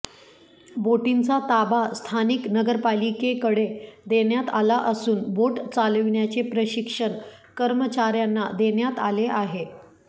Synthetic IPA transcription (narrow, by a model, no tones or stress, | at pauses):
boʈint͡sat̪abast̪ʰaniknəɡəɾpalikekəɽed̪eɳjat̪alaʔəsuːnboʈt͡saləʋɳjat͡sepɾəɕikʂəɳ | kəɾmət͡ɕaɾjanːad̪eɳjat̪aleʔaɦe